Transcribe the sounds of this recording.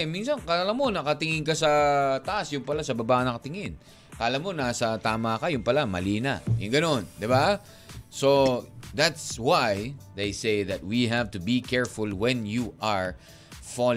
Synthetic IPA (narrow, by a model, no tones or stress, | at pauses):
minsɐnkɐlɐmo̞nɐkɐt̪ɪŋɪnkɐsɐt̪ɐʔasjʊŋpɐlasɐbɐbaːʔnɐkɐt̪ɪŋɪn | kɐʔɐlamo̞naːsɐt̪aːmakajʊŋpɐlamɐ̰liːnɐ̰jʊŋɡɐno̞nd̪ɪba | soðat̪swajðejsejðɐt̪̚wiɦavt̪ʊbikɛɹfʊlwɛnjuʔaɹ | fɔl